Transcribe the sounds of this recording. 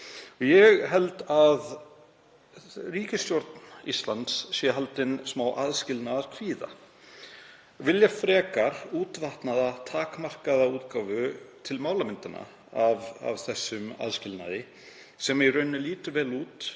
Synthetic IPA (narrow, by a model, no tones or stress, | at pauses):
ɔjɛɣɦɛlt̪að | riːcɪst̪joɾt̪nist̪lant̪sːjɛɦalt̪ɪnsmawʔaðscɪlnaðaɾ̥kʰv̥iːða̰ | vɪljafɾɛːkaɾ̥uːt̪vaht̪naðat̪ʰaːkmar̥kaðauːt̪kawvʏt̪ʰɪlmaːwlamɪnt̪ana̰ | ava̰vθɛsːʏma̰ðscɪlna̰ðɪ | sɛmairœɥnːʏliːt̪ʏvɛːluːt̪